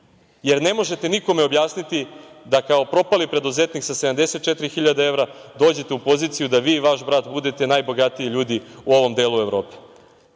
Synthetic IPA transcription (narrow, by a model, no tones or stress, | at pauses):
je̞ɾne̞mo̞ʒe̞t̪e̞niko̞meo̞bjaːsnit̪id̪akao̞pɾo̞palipɾe̞d̪uzet̪niksased̪amd̪e̞set̪̚t͡ʃet̪ɾixiʎad̪ee̞vɾad̪o̞ːd͡ʑet̪eupo̞ziːt̪sijud̪aʋiːʋaʃbɾad̪bud̪e̞t̪e̞najbo̞ɡat̪iiʎuːd̪iuo̞ʋo̞md̪e̞ːlue̞vɾo̞ːpe̥